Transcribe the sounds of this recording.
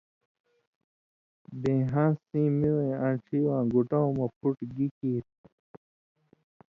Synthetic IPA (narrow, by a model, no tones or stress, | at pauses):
bẽːɦãːsĩːmiwẽãʈ͡ʂʰiwãːɡuʈawmɐpʰuʈɡikiːt̪̚